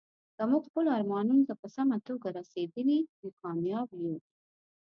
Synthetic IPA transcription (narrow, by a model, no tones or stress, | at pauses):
d̪̥əmuɡxpəlɑɾmɑnunot̪apəsamat̪oɡaɾased̪əliwikɑmjɑbju